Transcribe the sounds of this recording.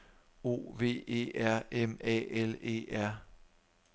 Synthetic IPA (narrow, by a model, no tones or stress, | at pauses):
o̝̰ːʋe̝̰ːe̝̰ːæɐ̰emɛ̰ele̝̰ːæɐ̰